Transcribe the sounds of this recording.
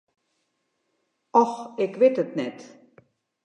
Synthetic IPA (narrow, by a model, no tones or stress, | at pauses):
ʔɔxɪkʋɪtətnɛt